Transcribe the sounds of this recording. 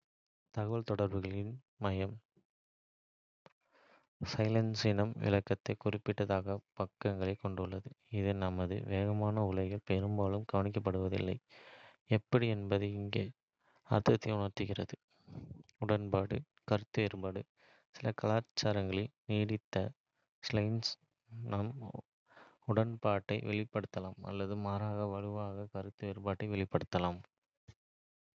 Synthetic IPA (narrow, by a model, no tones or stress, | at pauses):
t̪ɐɣɐʋɐlt̪ɔɽɐɾbɯɣɐɭɪn | mɐjɐm | sɐɪlɐnsɪnɐmʋɪ̰lɐkːɐt̪ːɐɪkʊrɪpːɪʈːɐðaːɣɐpɐkːɐŋɡɐɭɐɪkːɔɳɖɯɭːɐðɯɪðɯnɐmɐðɯ̰ʋeːɣɐmaːnɐʊɭɐɣɐlpeɾɯmbaːlɯmɡɐʋɐnɪk̬ːɐp̬ːɐɽɯʋɐðɪ̰lːɐɪ | ɛpːɐɽiɛnbɐðɯɪŋɡeː | ɐ̰ɾt̪ɐt̪ːɪɪʊɳɐɾt̪ɯɣɪrɐðɯ | ʊɽɐnpaːɽɯ̰ | kɐɾɯt̪ːɯʋeːɾpaːɽɯ | sɪlɐkɐlaːt͡ʃːaːɾɐŋɡɐɭɪlniːɽɪt̪ːɐ | slɐɪns | nɐm | ʊɽɐnpaːʈːɐɪʋʔɛ̰ɭɪpːɐɽɯt̪ːɐlaːmɐ̰lːɐðɯmaːɾaːɣɐʋɐɻɯʋaːɣɐkɐɾɯt̪ːɯʋeːɾpaːʈːɐɪʋɛɭɪpːɐɽɯt̪ːɐlaːm